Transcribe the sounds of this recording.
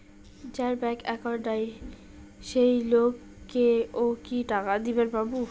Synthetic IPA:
d͡ʑaɾbɛkɛkɔɾɖaj | ʃejlok | kːeokiʈakad̪ibenpɾabu

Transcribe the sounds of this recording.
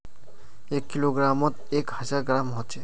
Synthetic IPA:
ekːiloɡɾamɔt̪ekhazaɡɾamɦɔt͡ʃʰe

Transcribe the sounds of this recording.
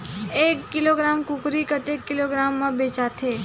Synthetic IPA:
eːkːɪloːɡɾaːmkʊkɾikət̪ekːɪloːɡɾaːmːãbeːt͡ʃaːt̪ʰeː

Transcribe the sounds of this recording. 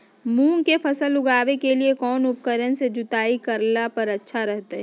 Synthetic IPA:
mũːŋkefɐsəlʊɡaːʋekeliekɔːnʊp̚kəɾənsed͡ʒʊt̪aːikɐɾlapɐɾɐtːʃʰaɾɛɦt̪eɦɛ

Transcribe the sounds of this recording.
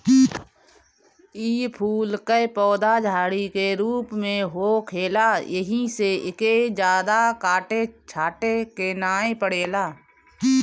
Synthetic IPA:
iːpʰuːlkəepɔːd̪ad͡ʒʱaːɽikeɾuːpmẽɦoːkʰeːlajəɦiseɪked͡ʒjaːd̪akaːʈet͡ʃʰaːʈekenaːẽpəɽeːlaː

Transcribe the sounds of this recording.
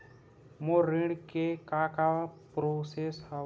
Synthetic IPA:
moɾɪɽkekaːkapɾosesha

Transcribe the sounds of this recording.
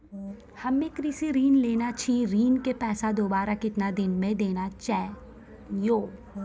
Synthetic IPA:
hɐmːẽkɾiːsiɾiːnleːnat͡ʃʰĩɾiːnkepɛːsad̪oːbaːɾakɪt̪nad̪ɪnmẽd̪eːnat͡ʃɛː | joː

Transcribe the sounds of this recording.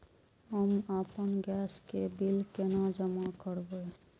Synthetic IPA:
ɦəmapənɡɛskebilkenad͡ʒəmakəɾbə

